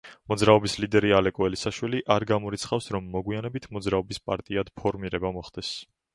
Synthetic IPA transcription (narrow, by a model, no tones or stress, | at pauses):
mɔd̪zɾaɔbislid̪ɛɾialɛkʼɔɛlisaʃwiliʔaɾɡamɔɾit̪sʰχafsɾɔmːɔɡwianɛbit̪ʰmɔd̪zɾaɔbispʼaɾt̪ʼiad̪̥pʰɔɾmiɾɛbamɔχd̪̥ɛs